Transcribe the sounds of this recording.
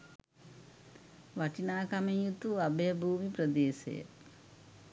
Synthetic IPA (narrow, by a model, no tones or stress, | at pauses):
ʋɐʈinaːkɐmɐjut̪uɐbɐjɐbʱuːmipɾɐd̪eːsɐ̰jɐ̰